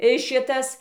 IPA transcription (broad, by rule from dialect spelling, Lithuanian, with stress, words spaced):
ɪ ˈʃʲɪtɐs